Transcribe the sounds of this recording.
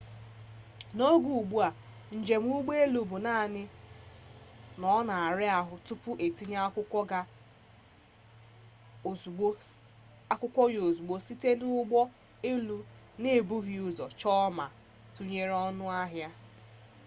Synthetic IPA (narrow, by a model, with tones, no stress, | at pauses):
no˦ɡu˨ɡ͡bu˦a˨ | n̩˨d͡ʒe˨m˦u˦ɡ͡be˦e˦lu˨bu˨na˦˨nɪ˦ | nɔ˦na˨a˨ɾɪ˦a˨ɦʊ˨tu˦pʊ˦ʔe˨ti˦ɲ˦kʊ˦ɔ˦ɡa˦˨˦ | a˦kʷʊ˦kʷɔ˦jo˨zu˨ɡ͡bo˨si˦te˦nʊ˦ɡ͡bɔ˦ | e˦lu˨nɪ˦˨bu˦ɦi˨ʊ˦zɔ˨t͡ʃɔ˦ma˨ | tu˦ɲe˦ɾɔ˦nʊ˦a˦ɦja˦